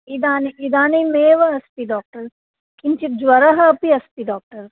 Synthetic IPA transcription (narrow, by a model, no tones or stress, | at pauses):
id̪aːniʔid̪aːnimeːʋɐɐspiɖɔːk̚ʈɐɾ | kint͡ʃit̪̚d͡ʒʋɐɾɐɦɐɐpiɐspiɖɔːk̚ʈɐɾ